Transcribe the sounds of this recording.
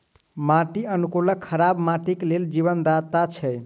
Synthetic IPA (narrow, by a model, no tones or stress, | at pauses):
maʈiənukuləkʰːəɾabmaʈikleld͡ʒiβənd̪at̪at͡ʃʰɛ